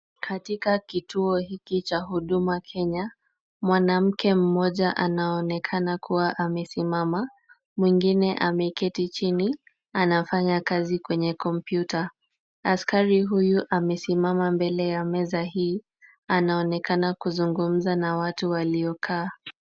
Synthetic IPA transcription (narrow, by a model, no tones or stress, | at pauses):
kʰatikakitʰuɔhikit͡ʃaɦuɗumakʰɛɲa | mwanam̩kʰɛm̩mɔʄaʔanaɔnɛkʰanakʰuwaʔamɛsimama | mwiŋɡinɛʔamɛkɛtit͡ʃini | anafaɲakazikwɛɲɛkɔmpjuta | askaɾiɦujuʔamɛsimamambɛlɛjamɛzaɦiː | anaɔnɛkanakuzuŋɡum̩zanawatuwaliɔkʰaː